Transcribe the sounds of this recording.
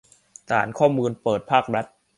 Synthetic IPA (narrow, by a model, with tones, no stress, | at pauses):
t̪ʰa̰ː˩˦nkʰɔː˥˩muː˧npɤː˨˩t̪̚pʰaː˥˩k̚ɾa˦˥t̪̚